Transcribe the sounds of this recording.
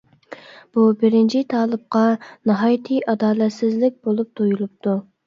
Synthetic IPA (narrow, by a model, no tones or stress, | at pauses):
b̥ubɪɾɪnt͡ʃʰit̪ʰɑːlˠɨp̚qɑnɑɦɑːjt̪ʰɨjʔɑd̪ɑːlɛt̪sɪzlɪk̚ʲbolˠup̚t̪ʰojulˠup̚t̪ʰu